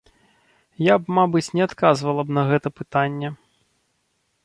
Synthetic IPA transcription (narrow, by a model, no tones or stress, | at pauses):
jabmabɨt͡sʲnʲɛat̪kazvɐlˠɐbnɐɣɛt̪ɐpɨt̪anʲːɛ